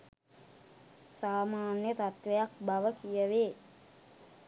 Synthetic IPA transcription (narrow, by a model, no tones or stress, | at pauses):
saːmaːnjət̪at̪ʋejak̚baʋəkijəʋeː